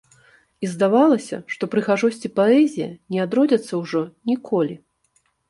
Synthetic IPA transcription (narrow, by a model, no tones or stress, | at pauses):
izd̪avalˠɐsʲɐ̰ʂt̪ɔpɾɨɣaʐɔsʲt͡sʲipaɛzʲijɐ̰nʲɛad̪ɾɔd͡zʲɐt̪sːɐwʐɔnʲikʰɔlʲi